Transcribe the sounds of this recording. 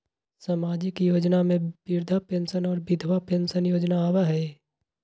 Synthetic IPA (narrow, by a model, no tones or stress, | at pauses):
saːmaːd͡ʒɪkjoːd͡ʒnamẽbɪɾd̪ʱapẽnsənɔːɾbɪd̪ʱwapensənjoːd͡ʒnaːwaɦɛː